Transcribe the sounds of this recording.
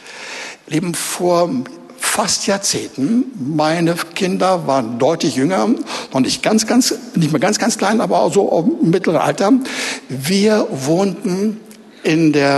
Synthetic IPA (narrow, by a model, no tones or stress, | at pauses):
leːbm̩foːɐ | fastjaːɐt͡seːntn̩maɪnəkʰɪndɐvaːʁən̩dɔʏtlɪçjʏŋɐnɔχnɪçtɡ̥ansɡ̥ansnɪçtmeːɐɡansɡ̥ant͡skl̥aɪnʔaːbɐaʊz̥oːʔa̰ʊmɪtləʁənʔa̰ltɐ | viːɐvoːntn̩ | ʔɪndeːɐ